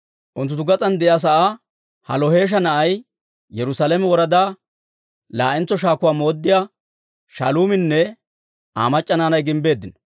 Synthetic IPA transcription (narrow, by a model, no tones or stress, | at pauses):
ʔʊnt̪̬ːʊt̪ːʊɡɐt͡sʼɐnd̪ɛʔjas̬ɐʔa | hɐlɔhe̞ːʃ̬ɐnɐʔɐj | jɛɾʊsalɛmɛwɔɾɐd̪aː | laːʔɛnt͡sːɔʃaːkʊwaːmo̞ːd̪ːɪjaː | ʃɐ̰luːmɪnːɛ | ʔa̰ːmɐt͡ʃʼːɐnaːnɐjɡɪmbe̞ːd̪ːɪn